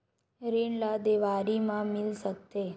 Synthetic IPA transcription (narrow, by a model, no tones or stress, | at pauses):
ɾeɳlad̪eʋaɾimãmɪlsək̚t̪e